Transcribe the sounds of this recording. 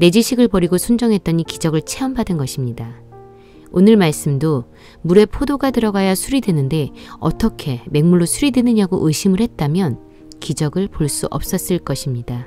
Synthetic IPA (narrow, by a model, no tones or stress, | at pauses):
ne̞d͡ʑiɕʰiɡɯɭpʌɾiɡosʰond͡ʑʌŋɦe̞t͈̚ʌɲikid͡ʑʌɡɯɭt͡ɕʰe̞ʌmbadɯnɡʌɕʰimɲida | onɯɭmaɭs͈ɯmdo | muɾe̞pʰodoɡatɯɾʌɡajasʰuɾidwe̞nɯnde̞ʌ̰t͈ʌkʰe̞me̞ŋmuɭːosʰuɾidwe̞nɯɲaɡoʔɯɕʰimɯɭhe̞t̚t͈amjʌn | kid͡ʑʌɡɯɭpoɭs͈uʔʌ̰p̚s͈ʌs͈ɯɭk͈ʌɕʰimɲida